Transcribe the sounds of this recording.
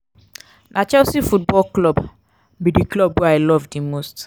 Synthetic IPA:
nʔat͡ʃɛsifut̚bɔlklɔb | bidiklɔbwɛaɪlɔvdimost

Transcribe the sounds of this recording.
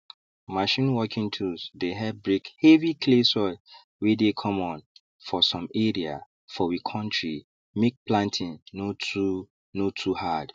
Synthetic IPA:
maʃĩnwɔkʰĩŋtʰusdeɦɛd̚bɹekhevikʰlesɔ | wedekʰɔ̃mɔ̃n | fɔsɔ̃mɛɹia̰ | fɔwikʰɔ̃ntɹi | mek̚plãntʰĩnːotu | notʰuhad̥

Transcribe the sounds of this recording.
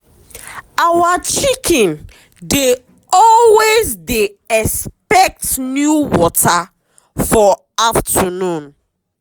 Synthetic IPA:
awat͡ʃikʰɛ̃n | de | ɔlwezdeɛspɛk̚tnjuwɔta | fɔ | aftʰənũn

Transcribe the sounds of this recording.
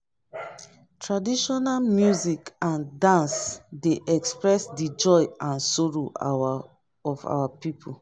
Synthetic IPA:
tʰɹadiʃɔnalmjuzikãndãnsdeʔɛkspɹɛsdid͡ʒɔɪãnsɔɹo | ɔfa̰wapipʰu

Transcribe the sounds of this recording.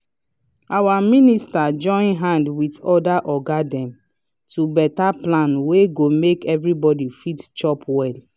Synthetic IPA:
awaministad͡ʒɔ̃ɪ̃nɦãndwitɔdaʔɔɡadɛ̃m | tubɛtaplãnweɡomekɛvɹibɔdifitt͡ʃɔpwɛl

